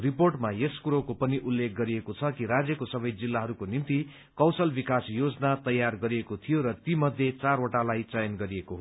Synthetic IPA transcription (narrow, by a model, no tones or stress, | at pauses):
riporʈmajeskuɾokopʌniʔulːek̚ʰɡʌɾiekot͡sʰʌkiɾad͡zjʌkosʌbʌjd͡zilːaɦʌɾukonint̪i | kʌwsʌlbikasjod͡zʌnat̪ʌjːarɡʌɾiekot̪ʰijoɾʌt̪imʌd̪ʱjet͡saɾoʈalajt͡sʌjʌnɡʌɾiekoɦo